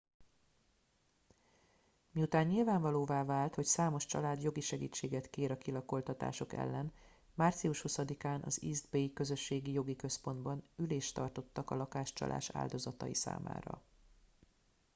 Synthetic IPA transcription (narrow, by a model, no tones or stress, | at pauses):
miut̪aːɲːilvaːɱvɒloːvaːvaːlt̪ho̞csaːmo̞ʃt͡ʃɒ̰laːd̪jo̞ɡiʃɛɡḭːt͡ʃːeːɡɛt̪keːɾɒkilɒko̞lt̪ɒt̪a̰ːʃo̞kɛ̰lːɛn | maːrt̪siuʃhusɒd̪ikaːnʔɒ̰ziːzd̪beːjkø̞zø̞ʃːeːɡijo̞ɡikø̞spo̞nd̪bɒnyleːʃt̪ɒ̰rt̪o̞t̪ːɒkɒlɒkaːʃt͡ʃɒ̰lʔa̰ːʃa̰ːld̪o̞zɒt̪ɒ̰jisa̰ːma̰ːɾɒ̰